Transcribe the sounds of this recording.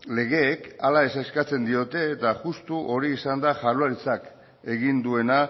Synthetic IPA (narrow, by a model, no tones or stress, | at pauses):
le̞ɣ̞e̞ːkalae̞saskat͡se̞nd̪io̞t̪e̞ːt̪aʝust̪uʔo̞ɾiːsand̪aʝaruaɾit͡sak | e̞ɣind̪ue̞na